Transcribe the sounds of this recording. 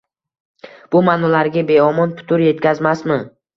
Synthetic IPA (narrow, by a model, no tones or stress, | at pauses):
b̥ʊmanɒlaɾɡʲabe̞ɒmɒnpʰʊ̥t̪ʰʊɾje̞t̪kʲʰazmasmɪ